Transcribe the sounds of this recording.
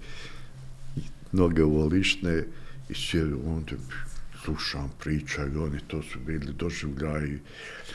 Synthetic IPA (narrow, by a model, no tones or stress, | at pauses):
mnoɡeoliʃneḭsed̪uoːnd̪eslˠuʃaːmpɾiːt͡ʃaionit̪oːsubiːlid̪oʒiʋʎʲai